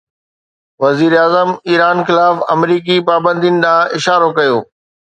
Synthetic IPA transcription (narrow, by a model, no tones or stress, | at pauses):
ʋɐziːɾeaːzəmiːɾaːnxɪlaːfɐ̰mɾiːk̬ipaːbə̃nd̪ʱiʊnɪ̆ɗãːʔɪʃaːɾokɐjoː